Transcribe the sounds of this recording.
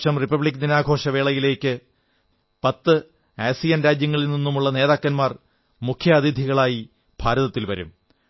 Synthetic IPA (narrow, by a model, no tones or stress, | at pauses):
ɕɐmripɐbɭikːninaːɡʱo̞ːʂɐʋe̞ːɭɐjile̞ːkːɨ | pɐt̪ːɨ | eːsijɐnɾaːd͡ʑjɐŋːɐɭilninːumuɭːɐne̞ːðaːkːɐnmaːr | mukʰjɐɐðid̪ʱiɣɐɭaːji | b̥ʱaːɾɐðɐt̪ːilʋɐ̰ɾṵm